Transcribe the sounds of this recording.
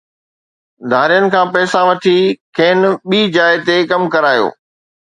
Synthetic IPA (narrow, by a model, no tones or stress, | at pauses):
d̪ʱaːɾijənɪ̆kʰãːpɛːsaʋɐʈʰikʰeːnɓiːd͡ʑaːɪt̪ekɐmkɐɾaːjo̰ː